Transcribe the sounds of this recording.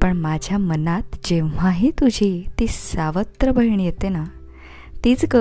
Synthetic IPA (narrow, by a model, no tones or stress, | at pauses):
pəɳmad͡ʑʱjamənat̪d͡ʑẽʋ̤aɦiːt̪ud͡ʑʱiːt̪iːsaʋət̪ɾəbəiɳ̃ijet̪ena | t̪iːt͡skə